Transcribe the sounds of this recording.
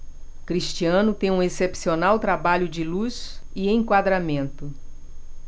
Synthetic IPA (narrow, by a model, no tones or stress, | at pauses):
kɾiʃt͡ʃiɐ̃nʊt̪ẽj̃ũesepsionawt̪ɾabaʎʊd͡ʒɪluziẽkwad̪ɾamẽnt̪ʊ